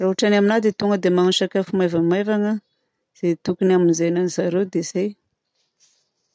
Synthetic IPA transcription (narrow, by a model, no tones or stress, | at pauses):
raɦaʈ͡ʂanaminad̪it̪uŋɡəd̪emanuʃakafumajvəmajvaŋə | z̥et̪ukunaminzajnanizaɾewd̪ez̥aj